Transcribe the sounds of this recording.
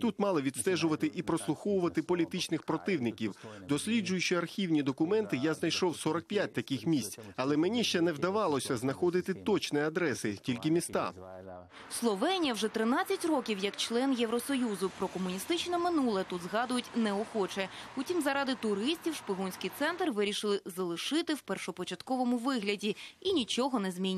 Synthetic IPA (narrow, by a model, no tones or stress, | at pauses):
t̪ut̪mɑlˠɪʋʲit̪st̪ɛʒʊʋɐt̪ɪʔipɾɔslˠʊxɔwʊʋɐt̪ɪpɔlʲit̪ɪt͡ʃnɪxpɾɔt̪ɪwnɪkʲiwd̪ɔsʲlʲid͡ʒʊjʃt͡ʃɔɐrxʲiwnʲid̪ɔkʊmɛnt̪ɪjaznɐjʃɔwsɔɾɐk̚pʲjat̚ʲt̪ɐkʲɪxmʲisʲt͡sʲɐlˠɛmenʲiʃt͡ʃɛnɛwd̪ɐʋɑlˠɔsʲɐznɐxɔd̪ɪt̪ɪt̪ɔt͡ʃniɐd̪ɾɛsɪtʲilʲkɪmʲist̪ɑ̰ | slˠɔʋɛnʲijɐwʐɛt̪ɾɪnat͡sʲːɐtʲrɔkʲiwjɐkt͡ʃlˠɛnjɛwɾɔsɔjuzʊpɾɔkɔmʊnʲist̪ɪt͡ʃnɐmɪnulˠɛt̪ud̪zɦɑd̪ʊjʊtʲnɛɔxɔt͡ʃɛ | putʲimzɐɾɑd̪ɪt̪ʊɾɪsʲtʲiwʃpʲɪɦɔnʲsʲkʲɪjt̪sɛnt̪rʋɪɾʲiʃɪlˠɪzɐlˠɪʃɪt̪ɪwpɛrʃɔpɔt͡ʃɐt̪kɔʋɔmʊʋɪɦlʲɐdʲiinʲit͡ʃɔɦɔnɛzmʲinʲ